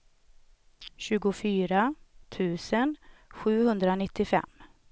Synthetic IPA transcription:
ɕʉ̟ːɡʊfyːɾat̪ʰʉ̟ːsənɧʉ̟ːhɵnd̪ɾanɪt̪ʰːɪfɛ̰mː

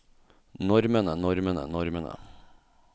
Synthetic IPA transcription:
nɔɾmənənɔɾmənə̰nɔɾmənə̰

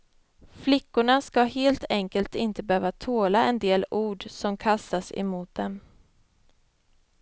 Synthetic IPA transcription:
flɪkːʊɳaskaheːlt̪ʰɛŋkəlt̪ɪnt̪əbøːvat̪ʰoːlaɛnd̪eːluːɖsɔmkʰast̪asɛ̰muːt̪̚d̪ɛm

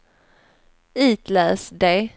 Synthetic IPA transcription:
iːt̪læːsd̪e

